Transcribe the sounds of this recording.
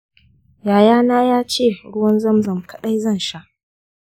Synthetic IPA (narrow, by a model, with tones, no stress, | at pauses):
jaː˨jaː˦naː˦jaː˦t͡ʃeː˦˨ɽʊ˦wɐ˦nzɐ˦mzɐ˨mkʰɐ˨ɗa˦jzɐ˦˨nʃa˦ʔ